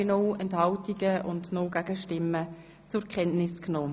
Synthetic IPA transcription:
enɔwɛnthɑltiɡəʔʊndnowɡæɡ̥əʃtɪmːə | t͡sʊɾkχɛntnɪsknoː

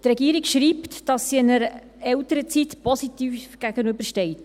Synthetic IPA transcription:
trɛɡiːɾikʃɾiːptd̥ɑsːiɪnəɾə | ɛltəɾət͡sitpɔsitiːfɡ̥æɡ̥ənøbəɾʃtɛɪt

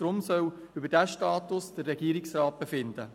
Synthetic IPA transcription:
ɾʊmsœw | ʏbədæʃtɑːt̪ʊsd̥ərːɛɡ̥iːɾɪksrɑːt̚b̥efɪnd̪ə

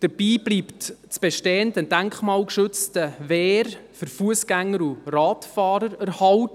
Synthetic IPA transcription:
d̥əɾb̥iːb̥liːptt͡sb̥ɛʃtɛːəndənd̥æŋkχmɑːlkʃɵt͡stəvɛːɾfʏɾfuəsɡ̥æŋːəɾurɑːtfɑːɾəɾæɾhɑlt

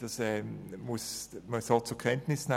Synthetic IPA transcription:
d̥ɑsɛːmʊsməshɑlt̚t͡suɐkʰɛntnɪsn̩a

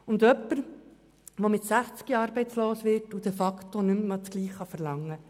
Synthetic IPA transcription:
ʊndœpːəɾ | ʋomɪtsæχt͡skiɑːɾbɛɪt͡sloːsʋɪtud̥ɛfɑktonʏmmɑt͡sɡ̥liːχːɑfəɾlɑŋːə

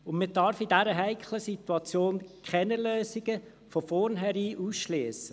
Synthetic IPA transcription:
ʊnmɪdɑɾfidæɾəɦæɪkʰχləsit̪wɑt͡sjoːnkʰχɛnəløːsiɡə | fɔfɔɾnɦɛɾiːʔusʃliːsə

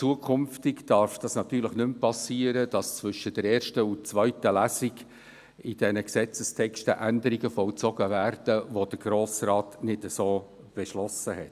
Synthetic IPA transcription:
t͡suəkʰʏmftɪkd̥ɑɾfd̥ɑsnɑt̪yːɾləχnʏmpɑsiːəɾəd̥ɑst͡svʏʃədəɾɛːrʃtəut͡svœʏtəlæːsiɡ | id̥ɛnəksɛt͡səstʰɛkstəʔænd̪əɾiɡəfɔlt͡sɔɡəvæːrd̥əʋod̥əɾɡ̥ɾoːsrɑːtnɪdəsoː | b̥ɛʃlɔsəhɛt

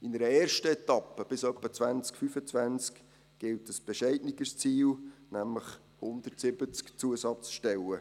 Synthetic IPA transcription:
ɪnəɾəɛːrʃtəɛt̪ɑpːəb̥ɪsœpːət͡svænt͡skfyfət͡svænt͡sk | ɡ̥ɪltəsb̥ɛʃɛɪdnɪɡəst͡siːlnæmləχ | hʊnd̪ərtsɪbət͡skt͡suəsɑt͡sʃtɛlə

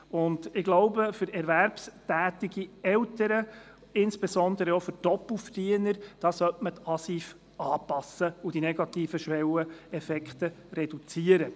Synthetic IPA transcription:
ʊndɪɡ̥loʊbəfʏɾɛɾʋæɾpstæːt̪iɡiɛltəɾə | ɪnsb̥esɔnd̪əɾəɔfʏɾtɔpl̩ˠfrd̥iːənəɾd̥ɑːsœtmətɑsiːf | ɑːpɑsəud̥inɛɡɑt̪iːfəʃʋɛwəɛfɛkχtə | rɛd̥ut͡siəɾə

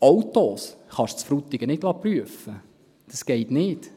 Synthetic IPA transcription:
ɑwtoːsχɑʃt͡sfɾut̪ːiɡənɪdlɑːpryəfə | d̥ɑsɡ̥ɛɪtnɪ̥ː

